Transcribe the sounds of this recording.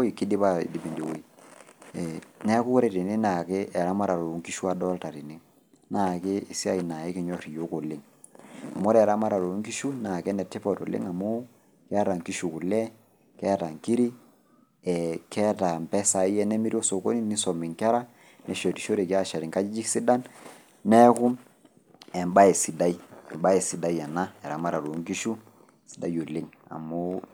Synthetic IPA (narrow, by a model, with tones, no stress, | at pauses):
o˦i˨kɪ˦di˦pa˦ḭ˨di˨bi˨ndi˨wo˦i˦ | ɛ˨nɛ˦kʊ˦kʊ˦ɾe˨ɾi˨nɪ˦na˨kɪ˦ʔɛ˨ɾa˦ma˦ɾa˨ɾo˨˦ŋki˦ʃu˦a˦dɔ˦lta˨ɾi˨nɪ˦ | na˦˨kɪː˦˨si˦a˦˨i˨na˨ɪ˦kɪ˨˦ɲɔ˦ɾi˨jo˦ko˨lɪ˦ŋ | a̰˨mo˦ɾɛ˨ɾa˦ma˦ɾa˨ɾo˨˦ŋki˦ʃu˦na˨kɛ˦nɛ˨tɪ˦pɔ˨to̰˨lɪ̰˦ŋa˨mu˦ | kɛ˦ɾa˨ŋki˦ʃu˨ku˨lɛ˦ | kɛ˦ɾa˨ŋki˦ɾi˦ | ɛ˨kʰɛ˦ta˨mpɛ˦sa˨i˦ɛ˦nɛ˦mi˦ɾi˦ɔ˦so˨ko̰˦ni˦ni˦sɔ˨mi˨ŋka˦ɾa˦ | nɛ˨ʃɔ˨ti˨ʃo˦ɾe˨ki˦a˦˨ʃa˨ɾi˨ŋka˦d͡ʒi˦d͡ʒi˦ksi˦da˦n | nɛ˦ku˦m | ɛ˨mba˦ɛ˨si˨da˦i˦ɛ˨mba˦ɛ˨si˨da˦jɛ˨na˦ɛ˨ɾa˨ma˦ɾa˨ɾo˨˦ŋki˦ʃu˦ | si̥˨˦da˦˨jo˨lɪ˦ŋa̰˨mu˦